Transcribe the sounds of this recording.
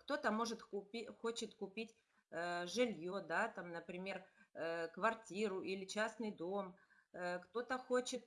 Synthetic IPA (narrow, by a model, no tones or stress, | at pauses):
kt̪o̞t̪əmo̞ʐɨt̪ʊpʲixo̞t͡ɕɪt̪kʊpʲitʲ | ʐɨlʲjo̞d̪at̪amnəpɾʲɪmʲe̞rəkvɐrtʲiɾʊʔilʲɪt͡ɕasnɨjd̪o̞m | əkt̪o̞t̪əxo̞t͡ɕɪt̪